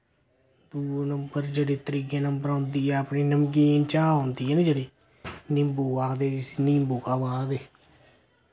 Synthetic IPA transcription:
d̪uːnəmbəɾd͡ʒeɽiːt̪əɾiːkeːnəmbəɾõːnd̪iːɛːəpniːnəmk̬int͡ʃaːɦõːnd̪iːɛned͡ʒeɽeː | nɪ̃mbuːkaːkd̪eːsniːmbuːkaːʋaːd̪eː

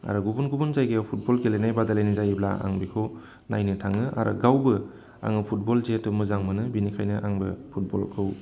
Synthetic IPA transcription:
a̰ɾɯɡubunɡubunzajɡepʰut̚bɔlɡelejnajbadalejnizajibla̰a̰ŋbikʰɯw | najnɯtʰaŋɯa̰ɾʔɯ̰ɡawbɯ | a̰ŋɯpʰut̚bɔlzetːɯmɯzaŋmɯnɯbinikʰajnɯʔaŋbɯpʰut̚bɔ̰lkʰɯw

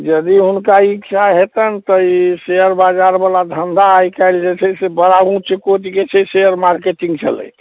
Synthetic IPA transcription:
d͡ʒəd̪iɦunkaikt͡ʃʰaɦet̪ənt̪əiseəɾbad͡ʒaɾbalad̪ʱənd̪aːjkaɪld͡ʒet͡ʃʰɛsebəɾaɡũt͡ʃekoʈiket͡ʃʰɛseəɾmaɾkeʈĩŋɡt͡ʃʰə̰lə̰j

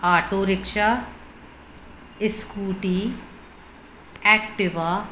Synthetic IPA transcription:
aːʈoːɾɪkʃa | ɪskuːʈiː | ɛːk̚ʈɪʋaː

